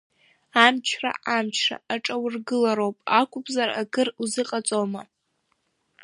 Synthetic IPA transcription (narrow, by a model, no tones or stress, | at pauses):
amt͡ʃʰra̰ʔamt͡ʃʰra̰aʈ͡ʂʼawrɡɨlaɾowpʼakʷʼʊpʰʼzaraɡɨruzɨqʼat͡sʼoma̰